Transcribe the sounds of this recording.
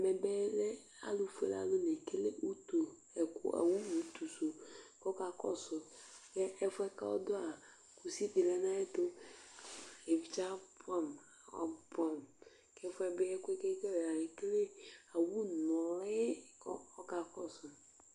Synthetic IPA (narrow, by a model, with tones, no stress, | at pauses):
a˨mɛ˨bɛ˦lɛ˦ | a̰˨lʊ˨fḛ˨la̰˨lʊ˦le˨ke˦le˦ʔu˦tu˨ | ɛ˨kʊ̰˨˦a̰˨wu˦u˨t̪u˨so˨kɔ˦ka˨kɔ̰˦sʊ˨kɛ˦ɛ˦fʊ˦ɛ˦ka̰˦ɔ̰˦dʊ˦a˨ | ku˨si˦di˨lɛ˦nã˦ɛ˦t̪ʊ˦ | e˨vi˨t͡ʃa˦pa˦˨m˨ | ɔ̰˨pa˨m | kɛ˦fʊ˦ɛ˦be˦ɛ˦kʊ˦e˦ke˦kɛ˦we˨a˨le˨ke˦le˦a˨wu˦nɔ˨lɛ˦kɔ˦ɔ˦ka˨kɔ˦sʊ˨